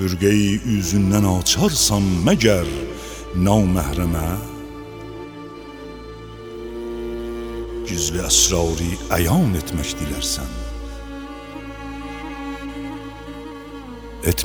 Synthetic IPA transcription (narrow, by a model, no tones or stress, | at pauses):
yɾɡæjiyzynd̪ænɑːt͡ʃʰɑɾsɑnmæɟæɾ | nɑwmæhɾæmæ | ɟyzliæsɾɑwɾiæjɑːnet̪ʰmæcd̪iliɾsæ̰n | et̪ʰ